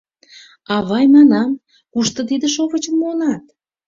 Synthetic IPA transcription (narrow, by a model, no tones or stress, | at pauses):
ɑβɑjmɑnɑm | kuʃt̪ə̆t̪id̪əʃoβət͡ɕəmːonɑt̪